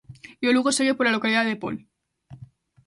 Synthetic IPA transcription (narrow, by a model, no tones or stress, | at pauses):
joluɣoseɣepoɾlalo̞kaliðaðepo̰l